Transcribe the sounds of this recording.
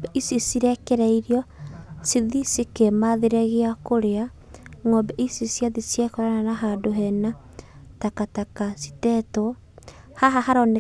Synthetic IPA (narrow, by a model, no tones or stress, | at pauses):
ɛʔisisiɾɛkeɾaiɾiɔsiðisikemaðeɾɛɣeakoɾea | ŋɔbɛʔisisjaðisjekɔɾananaɦadoɦɛna | takatakasi̥tɛtɔ | haɦahaɾɔne